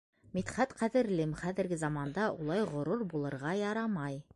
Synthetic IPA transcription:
mit̪χæt̪qæðɘ̆ɾlɘmχæðɘ̆ɾɡɘzɑmɑnd̪ɑʔulˠɑjʁŏɾuɾbulˠɤ̆ɾʁɑjɑɾɑmɑj

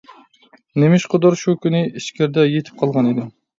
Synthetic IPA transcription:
nemɪʃqʰod̪ɑɾʃukʲynɪiʃkʲæɾd̪ɛjet̪ʰɪ̥p̚qʰɑlˠʁɑnid̪ɪ

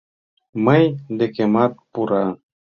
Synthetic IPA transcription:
məjd̪ekʲemat̪̚puɾa

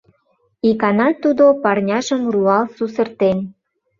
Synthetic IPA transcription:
ikɑnɑt̪ud̪opɑrnʲɑʒəmruɑlsusə̆rt̪en

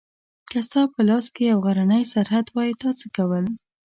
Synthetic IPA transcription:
kast̪ɑpəlɑskejawɣaɾanəjsaɾɦad̪wɑjit̪ɑt͡səkawəl

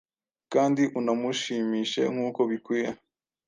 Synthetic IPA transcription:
kaːndiʔunamuʃiːmiːʃe̞̰ŋ̥huːko̞βikwiːɾa

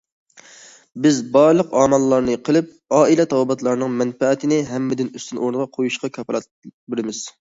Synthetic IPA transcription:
bɪzbɑɾlˠəqɑːmɑlˠːɑɾnɨqʰəlˠɨp̚ | ɑːilɛt̪ʰɑwbɑt̪lˠɑɾnɨŋmɛnfɛɛt̪ʰɪnɪɦɛmːɪd̪ɪnyst̪ʰynʔoɾnɨʁɑqʰojuʃqɑkʰɑplɑt̪̚bɪɾɪmɪz̥

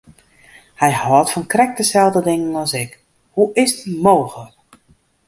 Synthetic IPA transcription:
hɛjhɔːtfɔnkrɛk̚dəsɛlˠdədɪŋənɔsɪk | huʔɪstmoːxlək

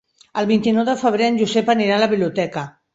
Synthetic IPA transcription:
əlˠβint̪inɔwðəfəβ̞ɾeənʲʒuzɛpəniɾaləβiβliut̪ɛkə

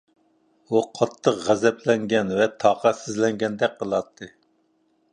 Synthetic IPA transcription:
uqʰɑt̪ʰːəqʁæzɛplɛŋɡʲɛnvɛt̪ʰɑqɑsɪzlɛŋɡʲɛnd̪ɛk̚ʲqʰəlˠɑt̪ʰːɨ

